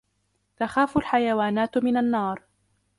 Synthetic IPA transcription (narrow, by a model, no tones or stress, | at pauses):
t̪axaːfʊlħajawaːnaːt̪mɪnanːɑːɾˤ